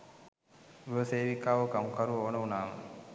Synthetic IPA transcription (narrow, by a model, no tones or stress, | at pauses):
ɾuʋəseːʋikaːʋɐkɐmukɐɾuoːnəunaːʋə̰